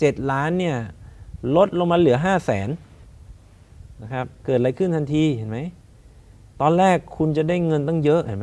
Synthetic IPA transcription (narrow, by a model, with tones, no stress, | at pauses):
t͡ɕe˨˩t̪̚laː˦˥nːi˥˩ɐlo˦˥t̪̚lo˧ŋmaː˧lɯ˩˦ɐɦaː˥˩sɛ̰ː˩˦n | na˦˧˩kʰɾa˦˥p̚kɤː˨˩t̪̚ɾa˧jkʰɯ˥˩nt̪ʰa˧nt̪ʰiː˧ɦe˩˦nma˦˥j | t̪ɔː˧nɾɛː˥˩kʰːu˧nt͡ɕa˨˩daː˥˩jŋɤ˧nt̪ɔ˥˩ŋjɤ˦˥ʔhe˨˩˦ma˦˥